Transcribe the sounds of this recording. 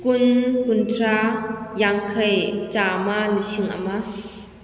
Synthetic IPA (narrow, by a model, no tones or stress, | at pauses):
kʊnkʊntʰrajaŋkʰɐjt͡ʃaːmaliʃiŋʔa̰ma